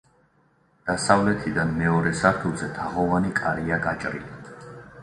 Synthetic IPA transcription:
d̪̥asavlɛt̪ʰid̪anmɛɔɾɛsaɾt̪ʰulˠzɛt̪ʰaʁɔvanikʼaɾiaɡat͡ʃʼɾḭli

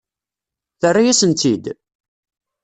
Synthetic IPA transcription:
θərːajæsənt̪id̪

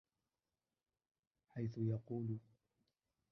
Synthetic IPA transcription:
ħajθʊjɑquːl

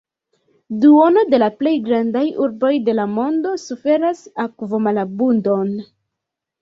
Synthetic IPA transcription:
duo̞no̞de̞laple̞jɡɾandajuɾbo̞jde̞lamo̞ndo̞sufe̞ɾasakvo̞malabundo̞n

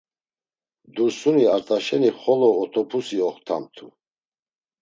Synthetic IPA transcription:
d̪uɾsuniaɾt̪ʼaʃɛniχɔlɔːt̪ʰɔpʰusiɔχt̪ʰa̰mt̪ʰṵ

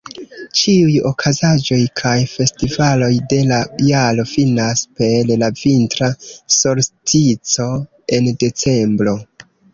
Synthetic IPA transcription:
t͡ʃiujo̞̰kʰazad͡ʒo̞jkʰajfe̞stivalo̞jde̞lajalo̞finaspe̞llavintɾaso̞ɾstit͡so̞ | e̞nde̞t͡se̞mbɾo̞

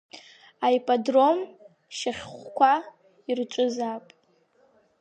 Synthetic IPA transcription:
aipʼadro̞m | ʃaχʲχʷkʷʰa | irt͡ʃʷʼʊzapʼ

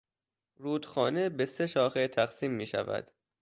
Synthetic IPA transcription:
ɾuːd̪xɒːne̞beseʃɒːxet̪ʰæxsiːmːiːʃæ̰væ̰d̪̥

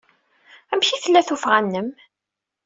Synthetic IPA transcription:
æmçiθəlːæθufʁænːəm

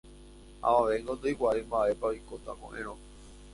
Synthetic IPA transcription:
a̰ʋaʋẽŋɡot̪ojkʷaimbaʔe̞paojkot̪a̰kõ̰ʔẽɾ̃õ

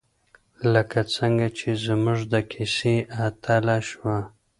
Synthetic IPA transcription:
ləkat͡səŋɡat͡ʃezmʊʐd̪əkʰɪseʔat̪ʰalaʃwa

